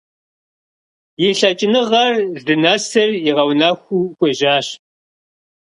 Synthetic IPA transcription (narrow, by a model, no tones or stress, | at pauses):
jɪɬɐt͡ʃʼɪnɨʁɐrzdɨnɐsɐrjiʁɐwnaxʷuːxʷeʒaːɕ